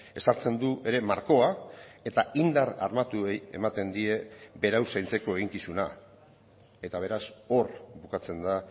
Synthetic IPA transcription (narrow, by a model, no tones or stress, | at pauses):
e̞saɾt͡se̞nd̪uʔe̞ɾe̞maɾko̞ae̞t̪aind̪aɾa̰rmat̪ueje̞̰mat̪e̞nd̪ie̞be̞ɾawsajnt͡se̞ko̞e̞ɣ̞iŋkisuna | e̞t̪aβ̞e̞ɾaso̞ɾbukat͡se̞nd̪a